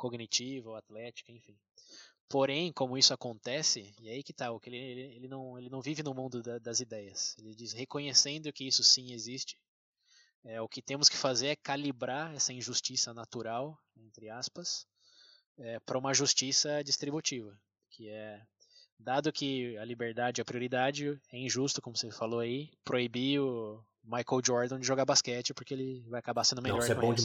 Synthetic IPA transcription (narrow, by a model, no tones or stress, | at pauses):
koɡnit͡ʃivɐat̪lɛt͡ʃi̥kɐẽfĩ | poɾẽj̃kõmʊisʊakõnt̪ɛsɪiaikɪt̪aʊkelɪeelɪelɪnɐ̃w̃elɪnɐ̃w̃vivɪnʊmũnd̪ʊd̪ɐd̪ɐzid̪ɛjɐselɪd͡ʒishekõɲesẽnd̪ʊkɪisʊsĩezist͡ʃɪ̥ | ɛʊkɪt̪ẽmʊskɪ̥fazeɾɛkalibɾaɾɛsɐĩʒust͡ʃisɐnat̪uɾaw | ẽnt̪ɾɪaspɐs | ɛpɾɐũmɐʒust͡ʃisɐd͡ʒist̪ɾibut͡ʃivɐ | kʰɪɛ | d̪ad̪ʊkɪɐlibeɾd̪ad͡ʒɪɐpɾioɾid̪ad͡ʒɪɛĩʒust̪ʊkõmʊsefaloaipɾoibiʊ | majkowd͡ʒɔɾd̪ɐ̃d͡ʒɪʒoɡaɾbaskɛt͡ʃɪpʊɾkeelɪvajakabasẽnd̪ʊmeʎʎɔɾɛkõ